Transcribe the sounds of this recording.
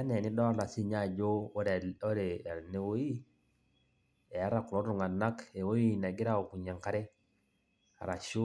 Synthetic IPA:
a˦ne˨ni˦dɔ˦la˨si˦ɲa˦˨d͡ʒo˦ɾo˦ɾe˨a˨ne˦wo˦i˦ | e˨a˦ɾa˨ku˨lo˦ɾu˨ŋa˨na˦ke˨wo˦i˦na˨ɡi˦ɾa˦o˨ku˨ɲa˨ŋka˦ɾɛ˦ | a̰˨ɾa˨ʃu˦

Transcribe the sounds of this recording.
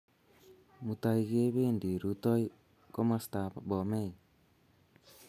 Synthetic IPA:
muta˨iɣe˦βeː˦ndi˨ɾutɔ˦i | ko˦masta˨βabɔme˦i

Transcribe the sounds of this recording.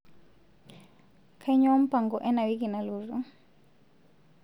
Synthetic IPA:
kʰa˦i˦ɲɔ˦wa˦m̩˦pa˨ŋɡɔ˨ʔɛ˦na˨wi˦k̬i˨na˨lu˨ru˨

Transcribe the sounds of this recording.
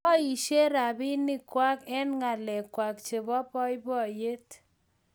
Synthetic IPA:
ɔ˦i˨ʃe˦ɾa˨bɪ˦nɪ˦kwa˦kɛ˦nŋa˨lɛ˨kːwa˨kt͡ʃe˨bɔ˦pɔ˦jbɔ˦˨je˦t

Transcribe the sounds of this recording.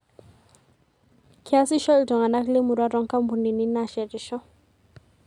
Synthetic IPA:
kʰi˦a˦si˦ʃɔ˦ltɔ˨ŋa˨na˦kle˦mu˨ɾa˦ɾɔ˦ŋka˦mbu˨ni˨ni˦na˨ʃɛ˨ɾi˨ʃɔ˦

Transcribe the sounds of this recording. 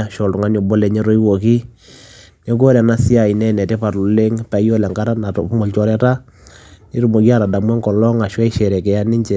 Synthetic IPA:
a˦˨ʃɔ˨ltʊ˨ŋa˦no˨bɔ˦lɛ˨ɲɛ˦ɾo˦i˦wo˨ki˦ | ne˦ɡo˦ɾɛ˨na˦si˦a˨i˨nɛ˦˨nɛ˨tɛ˦pa˨ɾʊ˨le˦ŋpɛ˨˦jɔ˦lɛ˨ŋɡa˦ɾa˦na˨tɔ˨˦mo˨lt͡ʃɔ˨ɾɛ˦ta˦ | ni˦ɾu˦mo˨ki˦a˦˨ɾa˨da˨mwɛ˦ŋɡɔ˨lɔ˦ŋa˨ʃwɛ˦ɪ˦ʃɛ˨ɾɛ˨kɛ˨ja˦ni˦ɲt͡ʃɛ˨

